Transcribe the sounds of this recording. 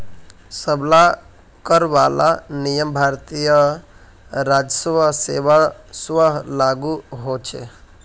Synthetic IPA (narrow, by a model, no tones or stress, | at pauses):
səbla | kəɾʋala̰nijəmbʱaɾt̪ijə | ɾad͡ʒəsəbʱəseʋaswəɦlaɡuɦot͡ʃʰḛ